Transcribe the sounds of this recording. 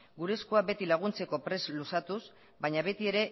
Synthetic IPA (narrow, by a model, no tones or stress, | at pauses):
ɡuɾe̞skoabe̞t̪ilaɣ̞unt͡se̞ko̞pɾe̞zlusat̪us | baɲaβe̞t̪ie̞ɾe̞